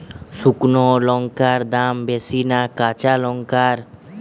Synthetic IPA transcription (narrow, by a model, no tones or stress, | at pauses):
ʃuknolɔŋkaɾd̪ambesinakat͡ɕalɔŋkaɾ